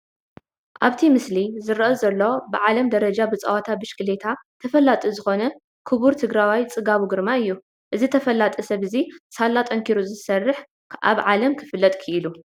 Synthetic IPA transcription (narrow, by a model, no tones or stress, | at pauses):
ʔaβt̪ʰimɨslizɨɾʔɐzɐlːobɨʕalɐmd̪ɐɾɐd͡ʒabɨt͡sʼɐ̰wat̪ʰabɨʃkɨlet̪ʰat̪ʰɐfɐlːat̪ʼizɨxo̞nɐ | kʰɨβuɾt̪ʰɨɡɾawajt͡sʼɨɡaβuɡɨɾmaɨjːu | ʔɨzit̪ʰɐfɐlːat̪ʼisɐβɨzisalːat̪ʼɐŋkʰiɾuzɨsɐrːɨħ | ʔa̰βʕalɐmkʰɨ̥fɨlːɐt̪ʼkʰɨʔɨlu